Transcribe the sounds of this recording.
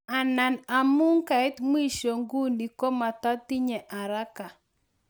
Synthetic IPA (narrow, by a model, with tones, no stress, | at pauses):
a˨na˨na˨mu˦ŋka˨ɪ˦t̪m˦i˦˨ʃo˨ŋɡu˦ndi˨kɔ˦ma˨t̪a˦t̪i˦ɲɛ˨ʔa˨ɾa˦ka˨